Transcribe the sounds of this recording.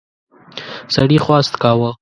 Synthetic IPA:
saɽixwɑːst̪kɑwə

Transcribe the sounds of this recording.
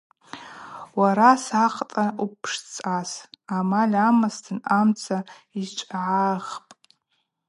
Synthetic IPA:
waɾasaqʼtʼaupʰʂt͡sʼasamalʲamastʰɨnamt͡sʰa | it͡ʃʷʼʕaʁpʼ

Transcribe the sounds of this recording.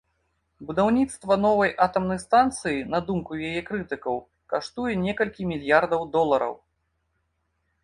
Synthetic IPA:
bud̪awnʲit̪st̪vɐnɔvɐjʔat̪ɐmnɐjst̪ant̪sɨjinɐd̪umkujajɛkɾɨt̪ɨkɐw | kaʂt̪ujɛnʲɛkɐlʲkʲimʲilʲjard̪ɐwd̪ɔlˠɐɾɐ̰w

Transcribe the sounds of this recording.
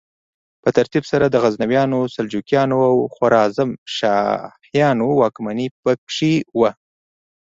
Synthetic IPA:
pət̪aɾt̪ibsaɾad̪əɣaznawjɑnosald͡ʒukjɑnoawxwaɾɑzamʃɑ̰hjɑnowɑkmanipəkʂiwa

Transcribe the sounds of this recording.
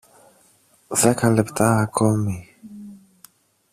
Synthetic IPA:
vɛkalɛpt̪ʰaakʰɔmi

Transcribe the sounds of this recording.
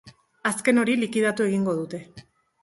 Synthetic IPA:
aske̞no̞ɾilikiðat̪ue̞ɣiŋɡo̞ð̞ut̪e̞

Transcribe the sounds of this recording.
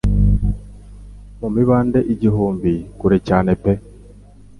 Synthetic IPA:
mumiβaːndeʔiɟiɦuːmbikuɾecaːnepe

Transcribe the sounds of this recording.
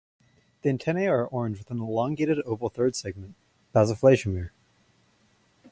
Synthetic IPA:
ðiɨ̃ntʰɛ̃neɪə˞ʔɔɹɨ̃nd͡ʒwɨθɪ̃nəlɔ̃ŋɡeɪɾɨɾoʊpl̩ˠθɜ˞d̥sɛɡ̚mɨ̃n̩ | b̥æzəfleɪʃəmɪɹ

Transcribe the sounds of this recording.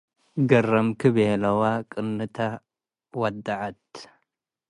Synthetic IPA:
ɡɐrːɐmkʰɨβelɐwakʼɨnːɨt̪ʰa | wɐd̪ːaʕat̪

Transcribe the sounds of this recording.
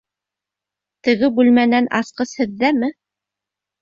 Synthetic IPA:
t̪ɘ̆ɡɘbʉlmænænʔɑsqɤshɘ̆ðːæmɘ

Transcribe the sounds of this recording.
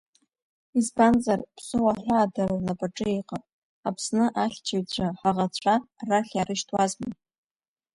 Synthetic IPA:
izbanzarpʰsɨwaħʷaːdararlapʼaʈ͡ʂʼɨeqʼapʼ | apʰsnɨʔaχʲt͡ʃʰaɥt͡ɕʷʰʼaħaʁat͡ɕʷʰaraχʲarɨʃtʰʼwazmɨn

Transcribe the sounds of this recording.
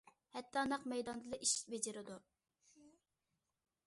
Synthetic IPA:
hɛt̪ʰːɑnɑqmɛjd̪ɑnd̪ɨlˠɑʔiʃi̥bed͡ʒɪɾɪd̪u

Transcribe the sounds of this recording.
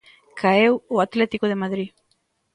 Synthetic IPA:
kʰaewoat̪let̪ikoð̞emaðɾi

